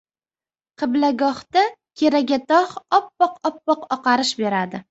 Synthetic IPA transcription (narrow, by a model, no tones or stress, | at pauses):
qʰɨblaɡɒht̪akʲʰe̞ɾaɡʲat̪ʰɒχɒpːɒqɒpːɒqɒqɑɾɪʃbe̞ɾad̪ɪ